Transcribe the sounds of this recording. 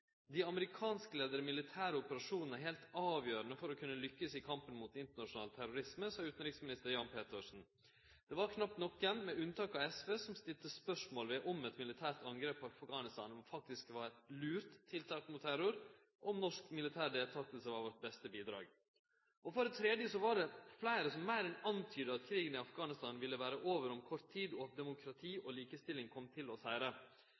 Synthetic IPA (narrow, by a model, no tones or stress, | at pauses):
d̪ɪɑməɾɪkʰɑːnskəleːd̪əɾəmɪlɪt̪ʰæːɾəɔpəɾɑʂuːnnəɦelt̪ɑːʋjøːɾənəfɔɾɔkʰʉnːəlʏkːəsɪkʰɑmpənmut̪ɪnt̪əɳɑʂʊnɑːlət̪ʰæɾʊɾɪsməsɑːʉːt̪n̩ɾɪksmɪnɪst̪əɾjɑnpʰeːt̪əʂn̩ | d̪̥ɛʋɑɾkʰnɑptnɔkːɛnmɛʉnt̪ɑːkɑɛsʋeːsɔmst̪ɪlt̪əspœʂmoːlʋɛʔɔmɛt̪mɪlɪt̪ʰæːɾʈ̪ɑŋɡɾeːpːɑfɡɑːnɪst̪ɑ̰ːnɔmfɑk̚t̪ɪskʋɑɾlʉːɾt̪ʰːɪlt̪ʰɑːk̪mʊt̪ʰːæɾʊɾ | ɔmnɔʂkmɪlɪt̪ʰæːɾd̪eːlt̪ʰɑt̪əlsəɑɾʋɔɾʈ̪̚bɛst̪əbiːd̪ɾɑ̰ːɡ | ʔɔfɔɾɛt̪ʰɾeːd̪jəsɔʋɑɖɛflæɪɾəsɔmːæɪɾɛnɑnt̪ʰyːd̪əɑt̪kʰɾiːɡənɪɑfɡɑːnɪst̪ɑːnʋɪlːəʋæːɾəʔoːʋəɾɔmkʰɔɾt̪ʰːiːd̪ɔɑt̪̚d̪ɛmʊkʰɾɑt̪ʰiːʔɔliːkəst̪ɪlɪŋkʰɔmːt̪ʰɪlɔsæɪɾə